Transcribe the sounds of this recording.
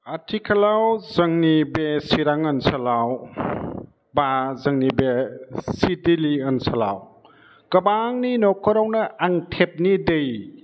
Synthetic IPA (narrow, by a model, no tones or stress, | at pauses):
atʰikʰɐlawzɐŋnibesiɾaŋɐnsɐlaw | bazɐŋnibesidiliɐnsɐla̰w | kɐbaŋninɔkʰːɔɾawnɐʔaŋtʰep̚nidej